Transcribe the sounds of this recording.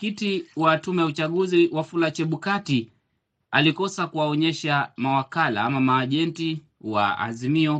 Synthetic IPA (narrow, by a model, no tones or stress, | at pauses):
kitiwatumɛjaut͡ʃaɠuziwafulat͡ʃɛɓukati | alikɔsakuwaɔɲɛʃamawakala̰amamaːʄɛnti | wa̰a̰zimiɔ